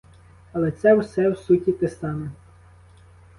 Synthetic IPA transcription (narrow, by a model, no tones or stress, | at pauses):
ɐlˠɛt̪sɛwsɛwsutʲit̪est̪ɑnɪ